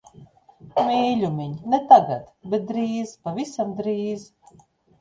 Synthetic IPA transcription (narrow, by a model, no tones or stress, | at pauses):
mʲiːlʲumʲiɲnɛt̪aɡa̰t̪bɛt̪̚d̪ɾiːzpavisamd̪ɾiːz